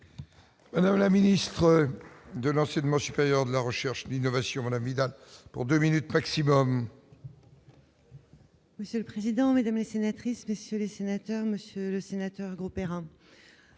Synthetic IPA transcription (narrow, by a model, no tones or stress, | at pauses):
mad̪amlaminist̪χəd̪əlɑ̃sɛɲmɑ̃sypeʁjœʁd̪əlaʁəʃɛʁʃlinɔvasjɔ̃mad̪amvid̪alpṵʁd̪øminyt̪maksimɔm | məsjøləpχezid̪ɑ̃med̪amlesenat̪χismesjølesenat̪œʁməsjøləsenat̪œʁɡʁopeʁɛ̃